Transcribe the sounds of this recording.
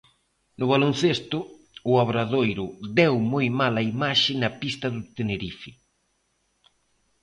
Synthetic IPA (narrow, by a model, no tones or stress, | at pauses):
nʊβalonθest̪ʊ | ʊaβɾaðojɾʊd̪ɛwmojmalɐimaʃɪnɐpist̪ɐðʊt̪eneɾifɪ